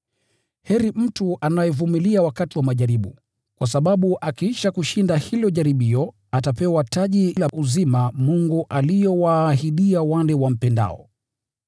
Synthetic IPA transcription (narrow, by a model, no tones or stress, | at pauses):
hɛɾim̩tuʔanajɛvumiliawakatiwamaʄaɾiɓu | kwʔas̬aɓaɓuʔakiiʃakuʃindahilɔʄaɾiɓiɔ | atapɛwataʄilaʔuzimamuŋɡuʔalijɔwaːɦiɗiawanlɛwam̩pɛnda̰ɔ̰